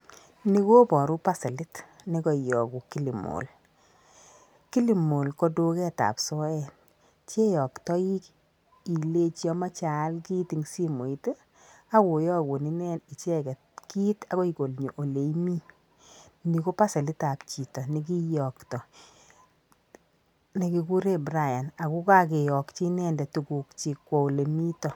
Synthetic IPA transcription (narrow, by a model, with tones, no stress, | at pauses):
ni˦ko˦pɔ˨ɾu˦pa˦se˨lɪ˦t | nɪ˦kɔ˨jɔ˨ku˨ki˦li˨mo̰˨l | ki˦li˨mo˨lkɔ˦do˦kɛ˦ta̰˨psɔ˦ɛ˦˨n | t͡ʃe˦jɔ˨ktɔ˦ji˦k | i˨le˦t͡ʃjɔ˦ma˦t͡ʃa˨˦lki˦ti˨ŋsi˦mo˨i˦te˦ | a˦wo˨jɔ˦˨ko˨ni˦nɛ˦ni˨t͡ʃɛ˦kɛ˨tki˦ta˨ko˦i˨ɡo˨lɲo˨ʔo˨le˨i˦mi˦ | ni˨ko˦pa˦sɛ˨li˦ta˨pt͡ʃi˨tɔ˨ni˨k̬i˦jɔ˨ktɔ˨ | ni˨ki˨ku˦ɾe˦bɾa˦˨ja˨na˨ku˦ka˦k̬e˨jɔ˨kt͡ʃi˦nɛ˦ndɛ˨tu˨ɡu˨kt͡ʃi˨kːwɔ˨le˨mi˦tɔ˨